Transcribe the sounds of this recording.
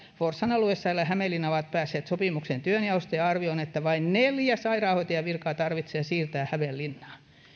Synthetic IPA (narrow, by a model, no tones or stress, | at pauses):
forsːɑnɑluesːɑelːæhæmelːinɑʋɑˑt̪̚pæːsːeːt̪sopimuksent̪yønjɑost̪eɑɑrʋionet̪ːæʋɑinneljæsɑirɑːhoit̪ɑjɑʋirkɑːt̪ɑrʋit̪seɑsiːrt̪æːhæʋellinːɑː